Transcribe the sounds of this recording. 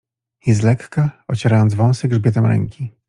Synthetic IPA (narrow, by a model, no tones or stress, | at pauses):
jɛst̪lɛkːaɔt͡ɕɛɾajɔnt̪zvɔ̃w̃sɛɡʐbʲjɛt̪ɛmɾɛ̰ŋkʲi